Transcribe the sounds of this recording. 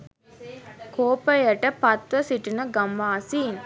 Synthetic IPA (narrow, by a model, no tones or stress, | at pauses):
koːpəjɐʈəpɐt̪ʋəsiʈinəɡɐmʋaːsiːn